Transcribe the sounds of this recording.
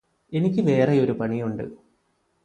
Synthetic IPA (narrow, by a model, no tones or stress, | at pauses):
e̞nikʲːɨʋe̞ːreo̞ɾupɐɳijuɳɖɨ̰